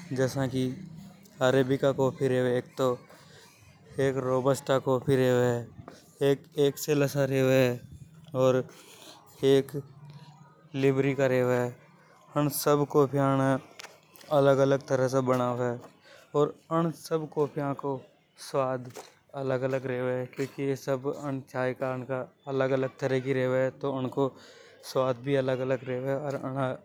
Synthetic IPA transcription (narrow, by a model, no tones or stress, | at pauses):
d͡ʒɛːsãki | aːɾeːbɪkakoːpʰiɾeːweeːk̚t̪o | eːkɾoːbəsʈakoːpʰiɾeːʋeɛ | eːkeːkseləsaɾeːʋeɦɛɔːɾ | eːk | lɪbɾikaɾeːʋɛ | əɽ̃səbkoːpʰijane | ɐləɡələɡ̚t̪əɾəsebəɽ̃aːʋɛː | ɔːɾəɽ̃səbkoːpʰijãko | swaːd̪ | ɐləɡələɡɾeːʋeɦɛkjõːkijesəbəñt͡ʃaːjkaːɾnkaɐləɡələɡ̚t̪əɾəɦkiɾeːʋeɦɛt̪oʊnko | swaːd̪̚ʱbʱiɐləɡələɡɾeːʋɛɔːɾəɽa